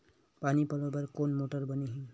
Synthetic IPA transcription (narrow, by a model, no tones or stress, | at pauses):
panipɔlobəɾkonmoʈəɾbəniɦĩ